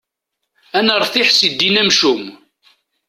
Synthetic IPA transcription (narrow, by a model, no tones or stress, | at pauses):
ænəɾˤθiħsid̪ːinæmʃum